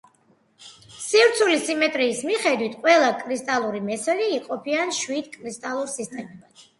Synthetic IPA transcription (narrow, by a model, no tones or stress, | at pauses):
sivɾt̪sʰulisimɛt̪ʼɾiːsmiχɛd̪wit̪ʰqʼwɛlˠakʼɾist̪ʼalˠuɾimɛsɛliːqʼɔpʰianʃwid̪̥kʼɾist̪ʼalˠuɾsist̪ʼɛmɛbad̪